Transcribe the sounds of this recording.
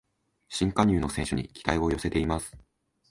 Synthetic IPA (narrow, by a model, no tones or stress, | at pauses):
ɕĩŋkaɲ̟ɨːno̞sẽɕɨɲ̟ḭkʲi̥t̪aiβo̞jo̞se̞t̪e̞imasɨ̥